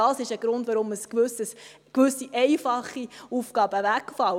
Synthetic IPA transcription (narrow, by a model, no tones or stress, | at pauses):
ɑːsɪʃəɡ̥ɾʊndʋɑɾʊməskʋʏsəs | kʋʏsiʔɛɪfɑχːiuːfkɑːb̥əʋækfɑl